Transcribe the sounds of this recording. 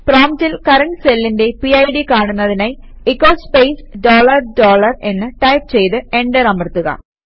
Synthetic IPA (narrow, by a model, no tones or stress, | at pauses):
proːmtilkɐɾɐɳʈselːinde̞piɐjɖikaːɳunːɐðinɐj | ikːoːspejsɖoːlɐrɖoːlɐrenːɨʈɐjp̚t͡ɕe̞jt̪ɨe̞ɳɖeɾɐmɐrt̪ːuɣɐ̰